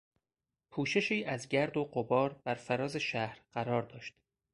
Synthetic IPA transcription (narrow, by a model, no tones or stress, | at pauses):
pʰuːʃe̞ʃiːʔæzɟæɾd̪oɢobɒːɾb̥æɾfæɾɒːze̞ʃæhɾɢæɾɒːɾd̪ɒːʃt̪